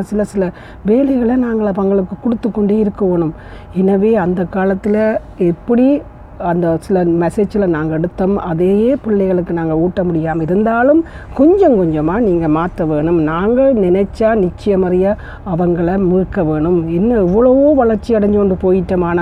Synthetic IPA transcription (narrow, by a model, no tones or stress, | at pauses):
ɐsɪlɐsɪlɐ | ʋeːlɐɪɣɐɭɐnaːŋɡɐɭɐʋɐŋɡɐɭɯkːɯkːʊɽɯt̪ːɯkːɔɳɖeːɪɾɯkːɐʋeːɳɯm | ɛnɐʋeːɐnd̪ɐkːaːlɐt̪ːɪlɐ | ɛpːɐɽi | ɐnd̪ɐsɪlɐmɛseːt͡ʃɪlɐnaːŋɡɐɛɽɯt̪ːɐmɐ̰ðeːjeːpɪɭːɐɪɣɐɭɯkːɯnaːŋɡɐuːʈːɐmʊɽɪjaːmɪɾɯnd̪aːlɯmkɔɲd͡ʒɐmkɔɲd͡ʒɐmaːniːŋɡɐmaːt̪ːɐʋeːɳɯmnaːŋɡɐnɪnɐt͡ʃːaːnɪt͡ʃːɪjɐmɐɾɪjɐ | ɐʋɐŋɡɐɭɐmiːkːɐʋeːɳɯmɛnːɐɛʋːɐɭɐʋoːʋɐɭɐɾt͡ʃːiɐɽɐɲd͡ʒɯɔɳɖɯpoːjɪʈːɐmaːnɐ